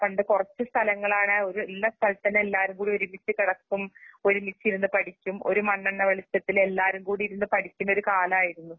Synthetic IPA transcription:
pɐɳɖɨkurɐt͡ɕːust̪ʰɐlɐŋːɐɭaːɳɨo̞ɾuelːɐst̪ʰɐlt̪ɐnːeelːaːɾumkuːɽio̞ɾumit͡ɕːɨkiɽɐkːumo̞ɾumit͡ɕːiɾunːɨpɐʈʰikʲːumo̞̰ɾumɐɳːɐɳːɐʋeɭisjɐt̪ːile̞lːaːɾumkuːɽiɾunːɨpɐʈʰikʲːumoɾukaːlɐmaːjiɾunːu

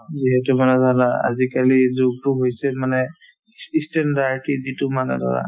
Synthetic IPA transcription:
ziɦɛtumanɛdʱalaa̰zikalizoɡ̚tuɦojsɛmanɛ | istɛndaɹʈiditumanɛ̰dʱa̰la̰

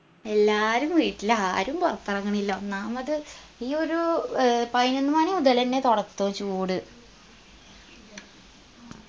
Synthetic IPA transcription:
elːaːɾumʋiːʈːilːɐaːɾumpɐrt̪ːɐrɐŋːɐɳilːoːnaːmɐðɨ | iːo̞ɾupɐjnenːumaːneud̪ɐlɐnːe̞t̪oɽɐt̪ːoːt͡ɕuːɽɨ

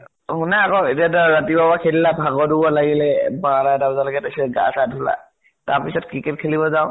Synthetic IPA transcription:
hʊnaːkɔɛtiadaɹatibabakʰɛlilabʱaɡɔdubɔlaɡilɛbaladabzalaɡɛtasɛɡa̰sadʱula̰ | taɹpisɔt̚kɹikɛt̚kʰelibɔzaʊ̃

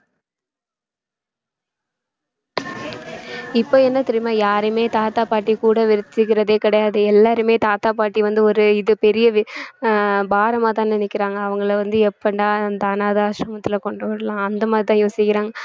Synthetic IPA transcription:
ɪpːoːɛnːɐt̪ɛɾɪmaːjaːɾɯmeːt̪aːt̪aːpaːʈːikuːɽɐʋɪɾɪt̪ːɯɣɪɾɐðeːkɪɽɐjaːðɯɛlːaːɾɯmeːt̪aːt̪aːpaːʈːiʋɐnd̪ɯɔɾɯɪðɯpɛɾɪjɐ | baːɾɐmaːt̪ãːnɪnɪkːɪɾaːŋɡɐːʋɐŋɡɐɭʋɐnd̪ɯɛpːɐɳɖaːɐnd̪aːnaːðaːʃɾɐmɐt̪ːɪlɐkɔɳɖɯʋɐɽɐlãːɐnd̪ɐmaːdɾɪt̪ãːjoːsɪkːɪɾaːŋɡɐ

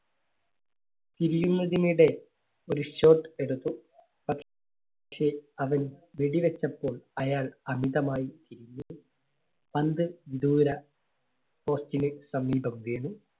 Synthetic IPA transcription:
t̪iɾijunːɐðiniɽe̞ | o̞ɾuɕo̞ːʈɨe̞ɽut̪ːu | pɐʈ | ʂe̞ɐʋɐnʋiɽiʋɐt͡ɕːɐpːo̞ːɭɐjaːɭɐmiðɐmaːjit̪iɾiɲːuu | pɐnd̪ɨʋid̪uːɾɐ | po̞ːstinɨsɐmːiːbɐmʋe̞ːɳu

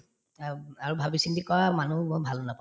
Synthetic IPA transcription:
aɹubʱabisindikɔɹamanumojbʱalnapa

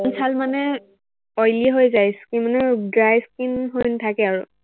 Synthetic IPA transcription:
nsʰalmanɛ | ojliɦojzajskimanɛɡɹajskinɦojntʰakɛaɹʊ

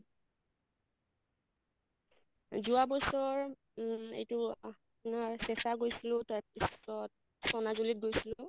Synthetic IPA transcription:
zuabɔsɔɹ | ḛjtʊa | nasɛsaɡojsilʊ̃taɹpisɔt̚ | sɔnazolit̚ɡojsilʊ

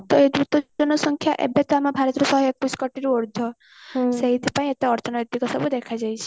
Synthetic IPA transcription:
t̪ɔed̪ɾut̪ɔɔnɔsɔŋkʰjaʔḛbet̪ɔamabʱaɾɔt̪ɾɔsɔɦɔekːuskɔʈiɾuɔɾd̪ʱɔ | seɦit̪ʰipãĩet̪eɔɾt͡ʃɔnɔjt̪ikɔsɔbud̪ekʰad͡ʒajt͡ʃʰe̥

